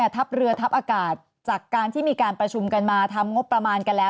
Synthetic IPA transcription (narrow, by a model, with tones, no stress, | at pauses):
t̪ʰa˦˥p̚ɾɯ˧ɐt̪ʰa˦˥p̚ʔaː˧kaː˨˩t̪̚ | t͡ɕaː˨˩kːaː˧nt̪ʰiː˥˩miː˧kaː˧npɾa˧t͡ɕʰu˧mka˧nmaː˧t̪ʰa˧mŋo˦˥pːɾa˧maː˧nka˧nlɛː˦˥